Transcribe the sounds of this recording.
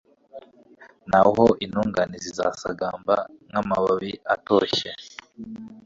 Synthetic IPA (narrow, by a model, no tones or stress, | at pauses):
naɦoʔinuːŋɡaniziza̰sa̰ɡaːmbaŋamaβaβiatoːçe